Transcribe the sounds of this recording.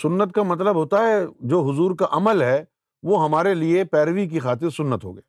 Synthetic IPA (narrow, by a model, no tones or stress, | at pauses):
sʊnːət̪kamɐt̪ləbɦoːt̪aɦɛd͡ʒoːɦʊzuːɾkaʔɐməlɦɛ | ʋoːɦɐmaːɾeliepɛːɾʋik̬ixaːt̪̬ɪɾsʊnːət̪ɦo̰ːɡɐeː